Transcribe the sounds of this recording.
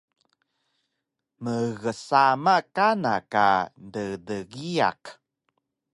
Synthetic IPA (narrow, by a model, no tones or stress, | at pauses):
məɣəsamakana̰ka̰ndədəɣia̰k